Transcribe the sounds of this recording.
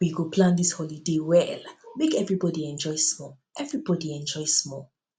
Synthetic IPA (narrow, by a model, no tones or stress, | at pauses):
wiɡopʰlãnd̪ishɔlidewɛlmekɛvɹibɔdiɛ̃nd͡ʒɔjsmɔ | ʔɛvɹibɔdiɛ̃nd͡ʒɔjsmɔ